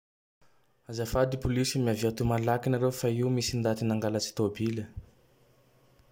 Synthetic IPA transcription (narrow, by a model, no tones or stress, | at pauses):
azafad̪ipulisimiaviat̪umalakinaɾefaimisind̪at̪inaŋɡalət͡si̥t̪obilə